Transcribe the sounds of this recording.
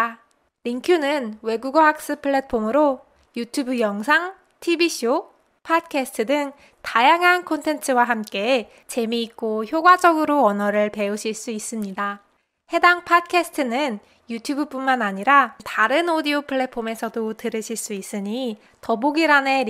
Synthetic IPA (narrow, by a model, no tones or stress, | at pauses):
ɾiŋkʰjunɯnwe̞ɡuɡʌɦak̚s͈ɯpʰɯɭːe̞pʰomɯɾo | jutʰjubɯjʌŋsʰaŋ | tʰibiɕʰo | pʰat̚kʰesʰɯ̥tʰɯdɯŋ | tajaŋɦankʰontʰe̞ntʰɯwaɦamk͈e̞ | t͡ɕe̞miːk͈oçjoɡwad͡ʑʌɡɯɾoʌnʌɾɯɭpe̞uɕʰiɭs͈uis͈ɯmɲida | he̞daŋpʰat̚kʰesʰɯ̥tʰɯnɯn | jutʰjubɯp͈unmanaɲiɾataɾɯnodiopʰɯɭːe̞pʰːome̞sʰʌdotɯɾɯɕʰiɭs͈uis͈ɯɲi | tʌboɡiɾane